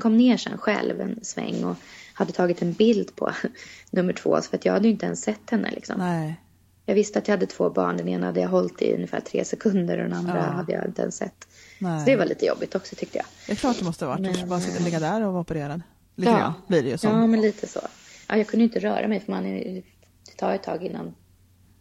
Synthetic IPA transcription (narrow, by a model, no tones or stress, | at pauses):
kʰɔmːneːʂɛ̰nːɧɛlvɛnsvɛ̰ŋːɔhad̪ːət̪ʰɑːɡɪt̪ɛnbɪld̪pʰɔnɵmːəʈʰv̥o̰ːsfœɾat̪jɑːɡhad̪əjʏɪnt̪əɛnsːɛt̪ːhɛnːə̰lɪksɔm | jɑːɡvɪst̪əat̪jahad̪ːət̪ʰv̥oːbɑːɳɖɛneːnahad̪ːəjaɦɔlt̪ɪ̰ɵ̰nːəfæ̰ːʈʰɾḛːsɛkʰɵnd̪əɾɔ̰d̪ɛnand̪ɾahad̪ːəja̰ɪ̰nt̪əɛ̰nsɛ̰t̪ːɔd̪ɛvaɭḭːt̪əjɔ̰bːɪt̪ɔksɔt̪ʰʏk̚t̪əjɑ̰ːɛkʰlɑːʈd̪ɛmɔst̪əhavaɛbɑlɪɡːad̪æːɾɔvɔpəɾeːɾad̪ə | lɪ̰ːbliɖɛjəsɑːmɛnliːt̪ʰəsɔ̰ʔajɑːɡkʰɵnd̪əɪnt̪əɾœ̰ːɾʔamɛjfœmanɛ | d̪̥ɛt̪ʰɑːɾɛt̪ʰːɑːɡɪnːa̰n